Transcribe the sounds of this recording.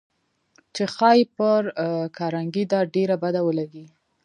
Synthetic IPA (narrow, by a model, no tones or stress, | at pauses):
t͡ʃexɑjpəɾkʰɑɾaŋɡid̪ɑɖeɾabad̪awəlaɡi